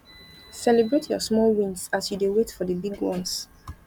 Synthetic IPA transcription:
sɛlibɹetʰjɔ̰smɔlwĩnsasjudewetfɔdəbiɡwɔ̰̃ns

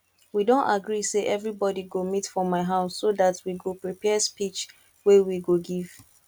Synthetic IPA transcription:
widõntaɡɹiseʔɛvɹibɔdiɡomitfɹɔ̃mːaɪɦaʊsːoðatwiɡopɹipʰɛspit͡ʃ | wewiɡoɡiv̥

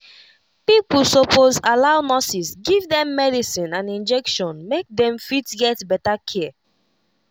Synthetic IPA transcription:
pipulsopozalaʊnɔsisɡivdɛ̃mːɛdisĩnãnĩnd͡ʒɛkʃɔ̃nmek̚dɛ̃mfitɡɛtbɛtakʰɛ

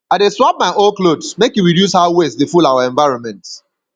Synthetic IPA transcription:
aɪdeswap̚maɪʔolklodsmekjuɹidjushawesdefulawaɛ̃ɱvaɪɹɔ̃nmɛ̃nts

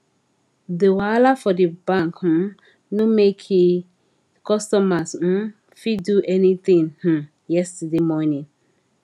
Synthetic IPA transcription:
dəwalafɔdəbãŋkm̩ | nũmekʰi | kɔstɔmasn̩ | fiduʔɛnit̪ĩŋh̩ | jɛstudemɔnĩŋ

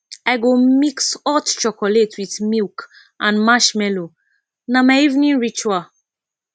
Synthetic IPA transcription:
aɪɡomiksɔtt͡ʃɔkɔletʰwiθmilk | ʔãnmaʃmɛlo | namaɪivnĩnɹit͡ʃa

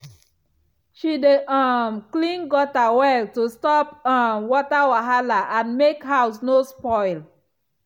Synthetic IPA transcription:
ʃideʔamklĩnɡɔtawɛltustɔpɔ̃mwɔtawaɦalaʔãnmekɦaʊs̬nospɔɪl

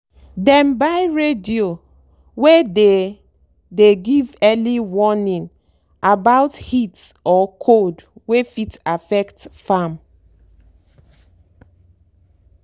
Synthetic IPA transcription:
dɛ̃mbajɹedio | wede | deɡivɛliwɔnĩn | abaʊthitɔkʰodwefitafɛktfam

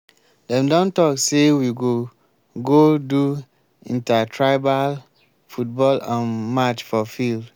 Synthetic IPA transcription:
dɛ̃mdɔ̃ntɔksewiɡo | ɡodu | ḭ̃ntatʰɹaɪbal | fut̚bɔlãnmat͡ʃfɔfild

